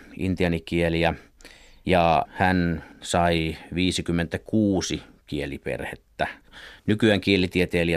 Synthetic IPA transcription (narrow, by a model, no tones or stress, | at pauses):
ʔḭnt̪iɑnikieliæ | jɑhænsɑiʋiːsikymːent̪ækuːsi | kielipḛrhḛt̪ːænykyæŋkielit̪iet̪eːliæ